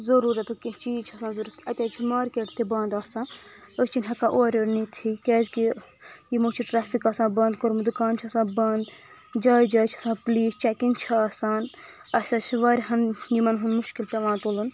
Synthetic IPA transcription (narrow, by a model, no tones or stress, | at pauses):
zɐɾuːɾɐt̪ukit͡ʃiːt͡ʃʰɐsaːnzɐɾɐt̪ʰɐt̪ʲaːt͡ʃʰimaːɾkeʈt̪ʰibãːnd̪aːsãː | əst͡ʃinʲɦɐkãːʔoːɾʲoɾnit̪ʰikʲɛːzʲki | jimoːt͡ʃʰiʈɾaːfikaːsãːbɐ̃ːnd̪kɐɾmud̪ukaːnt͡ʃʰɐsãːbɐnd̪ | d͡ʒaːjd͡ʒaːjt͡ʃʰɐsãːpliːst͡ʃakint͡ʃʰiɐsaːn | ɐsʲat͡ʃʰiʋaːɾʲɦɐnjimɐnɦunmuʃkilt̪ʲɐʋãːnt̪oːlɨn